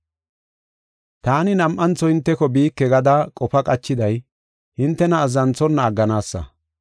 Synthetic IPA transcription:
t̪aːnɪnɐmʔɐnt͡sːɔɪnt̪ːɛkɔbiːkːɛɡɐd̪ɐkʼɔfɐkʼɐt͡ʃːɪd̪ɐj | hɪnt̪ːɛnɐːzɐnt͡sɔnːɐːɡːɐnaːsːɐ̰

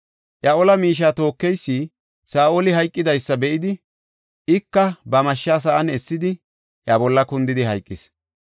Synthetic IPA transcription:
ʔjɐʔɔlɐmiːʃ̬aːt̪o̞ːkːɛjsːiː | saːʔolɪɦɐjkʼːɪd̪ɐjsːɐbɛʔɪd̪ɪ | ɪkːɐbɐmɐʃːaːs̬ɐʔɐnɛsːɪd̪ɪ | ʔjabɔlːɐkʊnd̪ɪd̪ɪɦɐjkʼːɪs

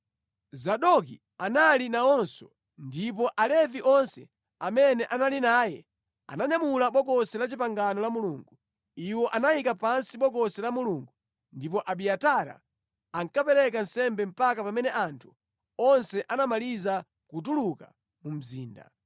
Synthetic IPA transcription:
zaɗɔk̬i | analinaɔnsɔ̰ | ndip̬ɔʔalɛviʔɔnsɛ̰ | amɛnɛʔanalinaːjɛ̰ | a̰naɲamulaɓɔkɔsɛlat͡ʃipaŋɡanɔlamuluːŋɡu | iwɔʔanaikapansiɓɔkɔsɛlamuluːŋɡu | ndip̬ɔʔaɓiataɾa̰ | aŋkapɛɾɛk̬an̩sɛmbɛm̩pakapamɛnɛʔantʰu | ɔnsɛʔanamaliza | kut̬uluka | mum̩ziːnda̰

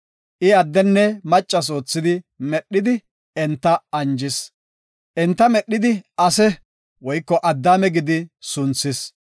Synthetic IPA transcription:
ʔɪɐd̪ːɛnːɛmɐt͡ʃʼːɐs̬o̞ːt͡sːɪd̪ɪmɛɗːɪd̪ɪ | ɛnt̪ːɐɐnd͡ʒɪs | ʔɛnt̪ːɐmɛɗːɪd̪ɪʔɐsɛ | wɔjkːɔʔɐd̪ːaːmɛɡɪd̪ɪsʊnsɪs

